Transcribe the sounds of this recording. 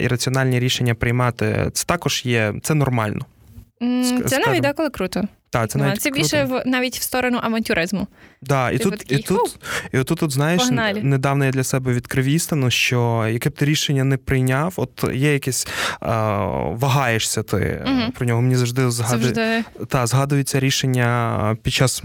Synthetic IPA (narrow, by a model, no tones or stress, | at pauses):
ḭɾɐt͡sʲiɔnɑlʲnʲiɾʲiʃenʲːɐpɾɪjmɑt̪ɪ̰t̪sɛ̥t̪ɑkɔʒ̥jɛt̪sɛnɔrmɑlʲnɔ | sɛnaʋʲitd̪akɔlˠɪkɾut̪ɔt̪ɑt̪ɛnɑʋʲitsɛbkɾiuʃɛʋnɑʋʲitʲwst̪ɔɾɔnʊʔɐʋɐnʲtʲʊɾɪzmʊd̪ɑḭt̪uit̪ut̪iɔt̪t̪ːut̪ːut̪znɑjeʃnalʲned̪ɑwnɔjad̪lʲɐsɛbɛʋʲid̪kɾɪʋʲist̪ɐnɔʃt͡ʃɔjɐkɪb̚t̪ɪɾʲiʃenʲːɐnɛpɾɪjnʲɑwɔt̪jɛjɐkɛsʲ | ʋɐɦɑjeʂsʲɐt̪ɪ̰pɾɔnʲɔɦɔmenʲizɐwʐd̪ɪzɦɑd̪ɪt̪ɑzɦɑd̪ʊjet͡sʲːɐɾʲiʃenʲːɐpʲit͡ʃːɑz̥